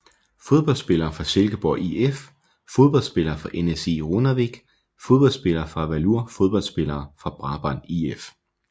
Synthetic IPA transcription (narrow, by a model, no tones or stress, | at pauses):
fo̝ð̞ˠb̥ɒ̽l̰dsb̥e̝lɐːfʁɑ̈selɡ̥əb̥ɒːʔief | fo̝ð̞ˠb̥ɒ̽l̰̥sb̥e̝lɐːfʁɑ̈ʔenese̝̰ːʁonɐʋeɡ̥ | fo̝ðˠb̥ɒ̽lsb̥e̝lɐːfʁɑ̈ʋæluɐ̰fo̝ð̞ˠb̥ɒ̽l̰sb̥e̝lɐːfʁɑ̈b̥ʁɑ̈b̥ɒnief